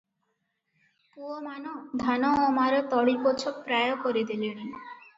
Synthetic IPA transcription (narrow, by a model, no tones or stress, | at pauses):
kuomanod̪ʱanoːmaɾet̪ɔɽipot͡ɕʰopɾɛjokoɾid̪ileni